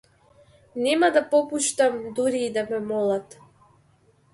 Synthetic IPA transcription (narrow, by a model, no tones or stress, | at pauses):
nɛmad̪apɔpuʃt̪amd̪uɾiːd̪amɛmɔlˠat̪